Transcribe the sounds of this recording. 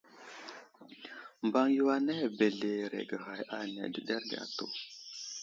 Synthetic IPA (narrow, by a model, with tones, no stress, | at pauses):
mba˦ŋju˦wa˦ne˦˨be˨ɮe˨ɾḛ˨ɡə˨ɣa˨jʔa˦˨nḛ˨də˨ɗe˦ɾɡa̰˨to̰˨